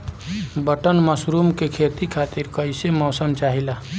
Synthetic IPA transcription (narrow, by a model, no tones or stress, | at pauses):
bəʈənməsɾumkekʰeːt̪ikʰaːt̪iɾkəɪsemɔːsəmt͡ʃaːɦila